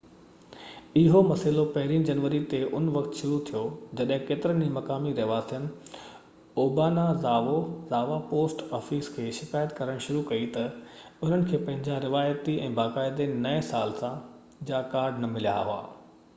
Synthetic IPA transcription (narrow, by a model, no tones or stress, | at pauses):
ɪɦomɐsɪlopɐɦɪɾiːnd͡ʑɐnʋəɾit̪eʔʊnʋɐkt̪ʃʊɾut̪ʰijod͡ʑɐɗɦɪ̃keːt̪ɪɾənimɐkaːmiɾɐɦʋaːsijənɪ̆ | oːbaːnazaːʋozaːʋapoːsʈɔːfiːskʰeːʃɪkaːjət̪kɐɾəɽ̃ʃʊɾukɐit̪ɐʊn̤ənɪ̆kʰeːpɐ̃ɦɪ̃ɲd͡ʑaɾɪʋaːjət̪iɛ̃ːbaːkaːɪd̪enɐɛsaːlsã | d͡ʑaːkaːɾɖnɐmɪlija̰ɦʊa̰ː